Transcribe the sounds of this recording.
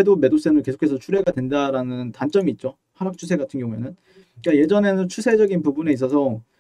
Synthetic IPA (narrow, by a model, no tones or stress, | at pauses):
edome̞dop̚s͈emɯɭke̞sʰo̥kʰe̞sʰʌt͡ɕʰuɾe̞ɡadwe̞ndaɾanɯntant͡ɕ͈ʌmiːt̚t͡ɕ͈o | haɾak̚t͡ɕʰusʰe̞ɡatʰɯnɡjʌŋue̞̰nɯn | k͈aje̞d͡ʑʌne̞nɯnt͡ɕʰusʰe̞d͡ʑʌɡinpubune̞is̬͈ʌsʰʌ